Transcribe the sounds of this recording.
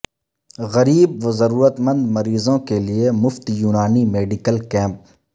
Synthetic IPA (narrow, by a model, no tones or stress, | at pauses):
ɣɐɾiːb̚ʋɐzɐɾuːɾət̪mə̃nd̪mɐɾiːzõkeliemʊft̪juːnaːnimeːɖɪkəlkɛ̃ːmp̚